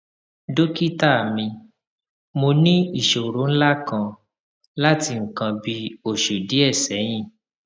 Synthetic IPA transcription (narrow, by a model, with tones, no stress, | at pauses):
do˦ki˦ta˦˨mĩ˧ | mo˧nĩ˦i˦˨ʃo˨ɾõ˨˦n̩˦la˦kã˧ | la˦ti˧ŋ̩˨kã˧bi˦o˦˨ʃo˨di˨˦ɛ˦˨sɛ˨˦j̃ĩ˦˨